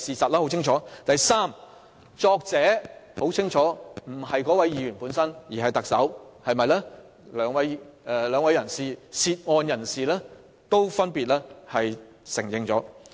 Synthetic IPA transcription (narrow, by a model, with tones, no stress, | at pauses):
siː˨sɐ˨t̚lɛː˥ho˨˥wt͡sʰɪ˥ŋt͡ʃʰɔː˨˥t̪ɐ˨jsaː˥m | t͡ʃɔː˧k̚t͡sɛː˨˥ho˨˥wt͡sʰɪ˥ŋt͡ʃʰɔː˨˥m̩˨˩hɐ˨jkɔː˨˥wɐ˨˦jiː˨˧jɥyː˨˩npuː˨˥nsɐ˥njiː˨˩ɦɐ˨jt̪ɐ˨k̚sɐ˨˥whɐ˨jmɐ˨˧jlɛː˥ | lœː˨˥ŋwɐ˨˥jɛ˨˧lœː˨˧ŋwɐ˨˧jɐ˨˩nsiː˨siː˧t̚ŋɔː˨˧njɐ˨˩nsiː˨lɛː˥ | t̪o˥wfɐ˥npiː˨t̚lɛː˥hɐ˨j | sɪ˨˩ŋjɪ˨˩ŋt͡sɔː˨˥